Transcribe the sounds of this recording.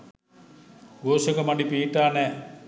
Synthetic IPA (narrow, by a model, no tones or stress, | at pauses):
ɡoːsokəmɐɖipiːʈaːnɛː